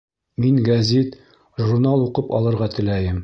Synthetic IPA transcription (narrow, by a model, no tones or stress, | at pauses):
miŋɡæzʲit̪ | ʒuɾnalˠuqɤpɒ̰lˠɤ̆ɾʁɑt̪ɘ̆læjɘm